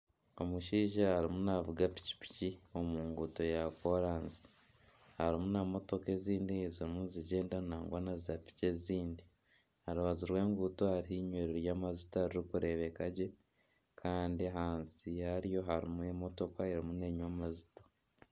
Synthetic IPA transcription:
o̞muʃiːʒahaɾimunavuɡapi̥ci̥pi̥cio̞muːŋɡuːto̞jakoɾaːnzi̥ | haɾimunamo̞to̞ke̞ziːndiziɾimuziɟe̞ːndanaːŋɡwaːnazapi̥ce̞ziːndi | haɾuβaziɾwe̞ːŋɡuːto̞haɾihiːɲweːɾeɾjaːmazitohaɾiɾikuɾe̞ːβe̞kaɟe̞ | kʰaːndiɦaːnsijaɾjo̞ɦaɾimuemo̞to̞kaeɾimune̞ɲwamazi̥to

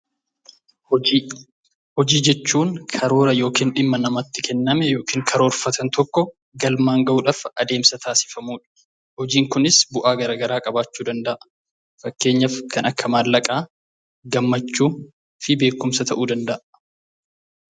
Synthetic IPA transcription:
hɔd͡ʒiːd͡ʒɛt͡ʃːuːŋkʰɐɾo̞ːɾɐjo̞ːkiːnᶑɪmːɐnɐmɐt̪ːɪkʰɛnːɐmɛjo̞ːkiːŋkʰɐɾo̞ːɾfɐt̪ɐnt̪ɔkːɔ | ɡɐlmaːŋɡɐʔuːᶑafɐd̪e̞ːmsɐt̪ʰaːsɪ̥fɐmuːᶑɐ̥ | hɔd͡ʒiːŋkʊnɪsbʊʔaːɡɐɾaːɡɐɾaːkʼɐbaːt͡ʃːuːd̪ɐnd̪ɐʔɐ | fɐkːe̞ːɲːɐfkʰɐnɐkːɐmaːlːɐkʼaː | ɡɐmːɐt͡ʃːuː | fɪbe̞ːkːʊmsɐt̪ʰɐʔuːd̪ɐnd̪ɐʔɐ

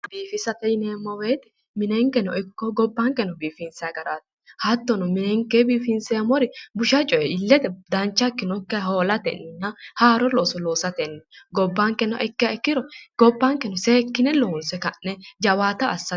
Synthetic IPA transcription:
biːfɪsɐt̪ɛjɪneːmːɔweːt̪ɪ̥ | mɪnɛŋkɛnɔɪkːɔɡɔbːaːŋkɛnːɔbiːfɪnsɛɡɐɾaːt̪ | hɐt̪ːɔnɔmɪnɛŋkeːbiːfɪnsɛːmɔɾɪbʊʃɐt͡ʃʼɔjɛɪlːɛt̪ɛd̪ɐnt͡ʃːɐkːɪnɔkːɛhoːlɐt̪ɛ̰nːɪnːɐhaːɾɔlɔsɔloːsɐt̪ɛnːɛɡɔbːaŋkɛnːɔ̰ʔɛkːɛkːɪɾɔɡ̥ɔbːaːŋkɛnɔseːkːɪnɛloːnsɛkɐnːɛd͡ʒɐwaːt̪ɐɐsːɐ

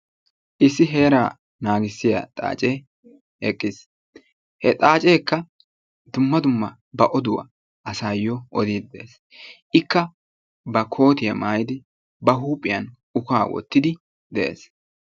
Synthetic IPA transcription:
ʔɪsːɪɦe̞ːɾaː | naːɡɪsːɪjɐ̰t̪ʼa̰ːt͡ʃʼeː | hɛkʼːɪs | hɛt̪ʼaːt͡ʃʼeːkːɐ | d̪ʊmːɐd̪ʊmːɐ | bɐʔɔd̪ʊwɐ̰ | ʔɐsaːjɔʔɔd̪iːd̪d̪eːs | ʔɪkːɐ | bɐkʰo̞ːt̪ɪjɐmaːjɪd̪ɪ | bɐɦuːpʼːɪjɐn | ʊkaːwɔ̰t̪ːɪd̪ɪ | d̪ɛʔḛːs

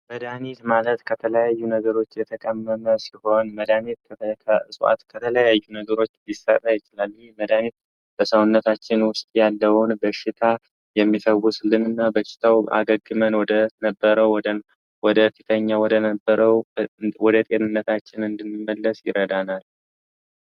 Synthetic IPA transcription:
məd̪anet̪malət̪kʰət̪ʰələjajːunəɡəɾo̞t͡ʃːjɛt̪ʰəkʼəmːəməsiho̞nməd̪anet̪ʰkʰəsuʔa̰t̪kʰət̪ʰələjajːunəɡəɾo̞t͡ʃːlisːə̰t̪ʼajɪt͡ʃɪlalːməd̪anet̪̚ | b̥əsəwʊnːət̪ʰat͡ʃːɪnwʊst̪ʼjalːəwʊnbəʃɪt̪ʰa | jɛmːit̪ʰəwːuslɨnɨnːabəʃɪ̥t̪ʰawa̰ɡəɡːɨmənwɔd̪ənəbːəɾəw | wɔd̪əfit̪ʰəɲːawɔd̪ənbːəɾəwwɔd̪ət̪ʼe̞nɨnːət̪ʰat͡ʃːɪnɨnd̪ɨnːɨmːəlːəsjɪ̰ɾəd̪anal

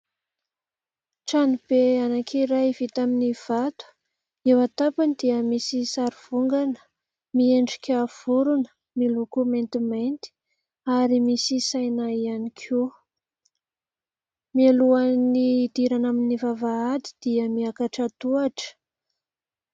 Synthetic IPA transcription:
ʈ͡ʂanib̥eanakʰiɾajv̥it̪aminiv̥at̪u̥ | ewat̪apind̪iəmisisaɾiv̥uŋɡanə̥ | mieɳɖ͡ʐi̥kʲav̥uɾunə̥ | milukument̪imajnt̪i̥ | aɾimisisajnaianikʰu | mialuanid̪iɾanaminivavaad̪i̥d̪̥iəmiakaʈ͡ʂat̪uaʈ͡ʂə̥

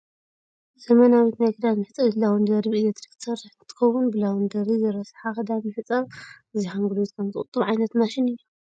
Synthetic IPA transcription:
zɐmɐnawit̪najɡɨd̪at̪mɨħɨt͡sʼɐlawɨnd̪ɐɾiβilet̪ɾikʰt̪ʰɨsɐrɨħnt̪ʰːɨ̥xɐwːunbɨlawɨnd̪ɐɾizɨɾɐsħakʰɐd̪amiifɨt͡sʼːɐβɨziħaŋɡɨlot̪kʰɐmzɨkʼʊt̪ʼːɨβʕajnɐt̪naʃɪnɨjːo

